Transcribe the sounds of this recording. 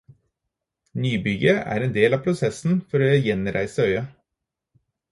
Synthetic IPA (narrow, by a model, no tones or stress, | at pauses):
nyːbʏɡəæ̰ːɾeːnd̪eːlɑːpʰɾʊsɛsn̩fɔɾoːjɛnɾʔæ̰ɪsəœʏə